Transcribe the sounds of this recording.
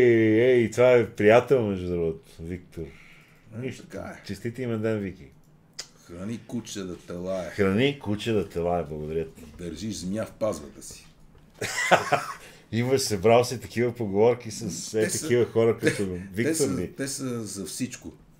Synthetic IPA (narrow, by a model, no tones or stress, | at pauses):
ɛit̪vaɛpɾijat̪ɛlˠmɛʒd̪ud̪ɾvot̪vik̚t̪oɾ | iʃt̪ka̰ɛt͡ʃɛst̪it̪iimɛnd̪ɛnvik̟i | xɾɐnikut͡ʃəd̪ɐt̪ɛlˠaɛxɾɐnikut͡ʃəd̪ɐt̪ɛlˠaɛblˠɐɡod̪ɐɾijət̪id̪ɐɾʒiʒzmjafpazvɐt̪əsi̥ | imɐʃsɐbɾawˠsit̪ɐkivəpoɡovɔɾkisɐsɛt̪ɐkivəxɔɾəkɐt̪ovik̪kt̪oɾvit̪ɛsəzɐfsit͡ʃkʊ